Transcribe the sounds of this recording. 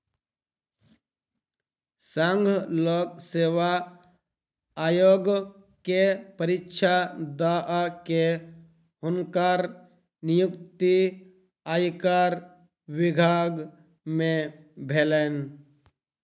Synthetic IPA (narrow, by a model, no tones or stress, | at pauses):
səŋɡʱlokseːʋa | joɡ | kepəɾɪtːʃʰad̪aʔke | ʊnkaɾ | nɪjukt̪i | aːjkaɾ | ʋɪɡʱaɡ | mẽ | bʱelen